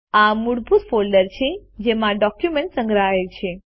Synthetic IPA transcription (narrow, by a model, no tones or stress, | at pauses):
amuɽbʱut̪folɖəɾt͡ʃʰed͡ʒemãɖɔkjumẽɳʈsə̃ŋɡɾaɦet͡ʃʰe